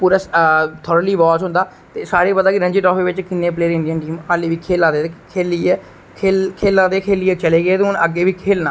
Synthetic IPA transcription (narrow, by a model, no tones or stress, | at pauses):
puːɾaːst̪ʰɔːɾəliːʋaːt͡ʃɦʊ̃nd̪aː | t̪eːsaːɾiːpəd̪aːkɪɾəɲd͡ʒeːʈɔːpʰeːʋɪt͡ʃkɪnːeːp̬leːɾɪ̃nd̪iə̃ːnʈiːmaːliːʋiːkʰeːlãːd̪eːkʰeːliːɛː | kʰeːlkʰeːlãːd̪eːkʰeːliːɛːt͡ʃəleːɡəeːt̪eːʊnəɡːeːʋiːkʰeːlnaː